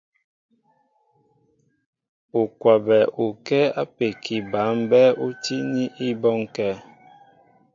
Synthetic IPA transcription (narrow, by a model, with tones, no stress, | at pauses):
u˨kwa˨bɛ˨ʔu˨kɛ˦a˦pe˨kʰi˨ba˨˦m˦bɛ˦u˦ti˦ni˦ʔi˦bɔ˦ŋkɛ˦˨